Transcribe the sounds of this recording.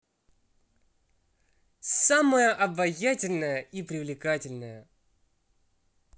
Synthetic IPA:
saməjəʔɐbɐjatʲɪlʲnəjəʔipɾʲɪvlʲɪkatʲɪlʲnəjə

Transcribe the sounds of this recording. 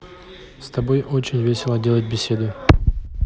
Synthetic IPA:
st̪ɐbo̞jʔo̞t͡ɕɪnʲvʲesʲɪlˠədʲe̞lˠət̚ʲbʲɪsʲe̞d̪ʊ

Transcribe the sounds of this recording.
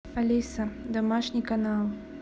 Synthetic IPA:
alʲisɐd̪ɐmaʂnʲikanalˠ

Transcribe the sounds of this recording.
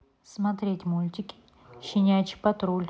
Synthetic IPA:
smɐt̪ɾʲetʲmulʲt̪ʲɪkʲɪ̥ | ɕɪnʲæjt͡ʃɪ̥kʲpɐt̪ɾolʲ

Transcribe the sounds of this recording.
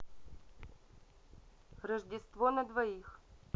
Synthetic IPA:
rɐʐdʲɪst̪vonɐd̪vɐix

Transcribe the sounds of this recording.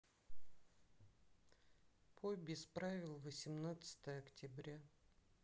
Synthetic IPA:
pʰobʲɪspɾavʲɪlˠvəsʲɪmnat̪sɨ̥t̪əjəɐktʲɪbɾʲa

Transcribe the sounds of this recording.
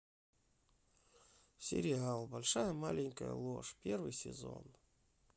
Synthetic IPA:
sʲɪ̰ɾʲɪalˠbalʲʂajəmalʲɪnʲkəjə̰lˠoʂpʲervɨjsʲɪzo̞̰n

